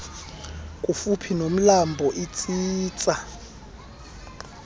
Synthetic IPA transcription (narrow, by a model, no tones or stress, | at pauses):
kʼufupʰinom̩lambʱɔʔit͡sʼiːt͡sʼa